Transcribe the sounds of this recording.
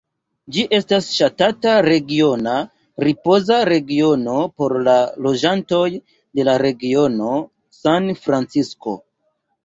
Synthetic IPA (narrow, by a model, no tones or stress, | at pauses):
d͡ʒiʔe̞stasʃatataɾe̞ɡio̞na | ɾipo̞zaɾe̞ɡio̞no̞po̞ɾlalo̞d͡ʒanto̞j | de̞laɾe̞ɡio̞no̞ | sanfɾant͡sisko̞̰